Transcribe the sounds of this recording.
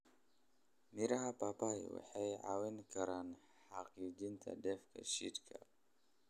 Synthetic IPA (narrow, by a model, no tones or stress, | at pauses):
miɾɐɦɐpaːpaj̰wɑ̰ħɑjʕa̰wɛnkʰɐɾaːn | ħɑqid͡ʒint̪ʰɐ̰dɛfkʰɐ̰ʃit̪kʰɐ